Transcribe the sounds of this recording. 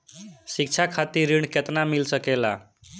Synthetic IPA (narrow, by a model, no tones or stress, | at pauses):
sik̚t͡ʃʰakʰat̪iɾiɳ̃ket̪namilsəkela